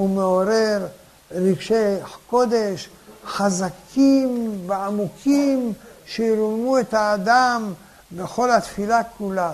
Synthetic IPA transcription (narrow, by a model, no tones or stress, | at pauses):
umeo̞ɾe̞ɾ | ɾiɡʃeko̞d̪e̞ʃ | ħazakʰimveamukʰimʃeiɾulmuet̪haːd̪am | be̞xo̞lhat̪filakula